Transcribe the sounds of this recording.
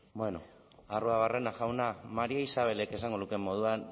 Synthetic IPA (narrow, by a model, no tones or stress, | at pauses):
bwe̞no̞ | aruaβare̞naʝawnamaɾiaisaβ̞e̞le̞ke̞saŋɡo̞nuke̞mːo̞ð̞uan